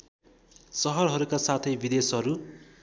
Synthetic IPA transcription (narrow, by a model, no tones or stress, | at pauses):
sʌɦʌrɦʌɾukasat̪ʰʌjbid̪esɦʌɾu